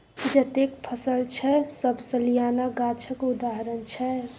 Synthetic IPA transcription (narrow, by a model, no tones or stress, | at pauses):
d͡ʒət̪ekpʰəsəlt͡ʃʰɛsəbsəlijanaɡat͡ʃʰəkud̪aɦəɾənt͡ʃʰɛ